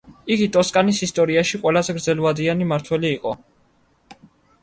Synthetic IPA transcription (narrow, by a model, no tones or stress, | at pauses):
iɡit̪ʼɔskʼanisist̪ʼɔɾiaʃiqʼwɛlazɛɡɾd̪zɛlvad̪ianimaɾt̪ʰwɛliːqʼɔ